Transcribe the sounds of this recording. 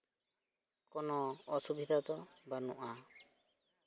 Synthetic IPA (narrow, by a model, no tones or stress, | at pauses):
kɔnɔɔsubʱid̪ʱat̪ɔbanṵ̃ʔa